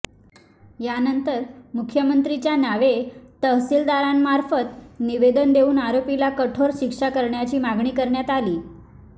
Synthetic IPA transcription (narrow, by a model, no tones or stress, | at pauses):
janənt̪əɾmukʰjəmənt̪ɾit͡ɕjanaʋet̪əɦsild̪aɾamːaɾfət̪niʋed̪ənd̪euːnaɾopilakəʈʰoɾɕikʂakəɾɳjat͡ɕiːmaɡɳiːkəɾɳjat̪aliː